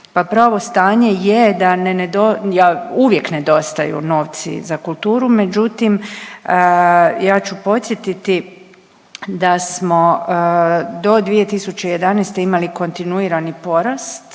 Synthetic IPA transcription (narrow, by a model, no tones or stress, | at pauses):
papɾaːʋo̞st̪aːɲe̞jed̪anened̪ojauʋje̞kne̞d̪o̞st̪ajṵno̞ːʋt̪sḭzakulˠt̪uːɾume̞d͡ʒut̪im | jaːt͡ʃupo̞t̪sjet̪it̪i | d̪asmo̞ | d̪o̞d̪ʋije̞t̪isut͡ɕeje̞d̪aneːst̪e̞imaliko̞nt̪inuiːɾanipo̞ɾast̪